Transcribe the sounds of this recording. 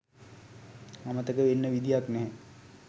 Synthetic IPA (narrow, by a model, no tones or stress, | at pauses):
amət̪əkəʋenːəʋid̪ijaknɛɦɛ